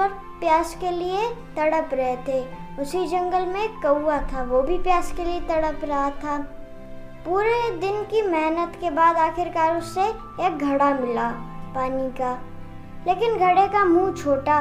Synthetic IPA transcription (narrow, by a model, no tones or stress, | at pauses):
ɔɾ | pjaːskeliet̪ɐɽəpɾɐɦet̪ʰeːʊsid͡ʒɐ̃ŋɡəlmẽkɐuat̪ʰaʋobʱipjaːskeliet̪ɐɽəpɾɐɦat̪ʰaː | puːɾed̪ɪnkimɛɦnət̪kebaːd̪aːxɪɾkaːɾʊsːe | eːk̚ɡʱɐɽamɪlaːpaːnika | leːkɪnɡʱɐɽekamũt͡ʃʰoːʈa